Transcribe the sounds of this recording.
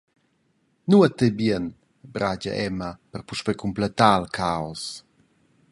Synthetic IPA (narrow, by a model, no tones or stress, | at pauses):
nuat̪ebiən | bɾad͡ʑa̰ʔɛmapɛrpuʃpekʰumplɛt̪aːlkʰaɔs